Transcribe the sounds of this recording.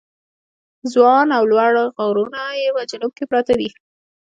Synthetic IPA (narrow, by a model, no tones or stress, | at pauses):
zwɑnawlwaɽɣawɾunajewad͡ʒanʊb̚kepɾɑt̪ad̪i